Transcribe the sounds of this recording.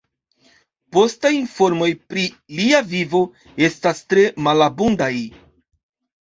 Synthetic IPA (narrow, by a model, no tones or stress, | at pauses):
po̞stajinfo̞ɾmo̞jpɾi | liavivo̞ | e̞stastɾe̞malabundaj